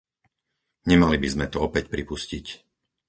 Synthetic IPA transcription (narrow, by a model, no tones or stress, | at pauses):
ɲɛmalibizmɛt̪ɔɔpɛcpɾipuscic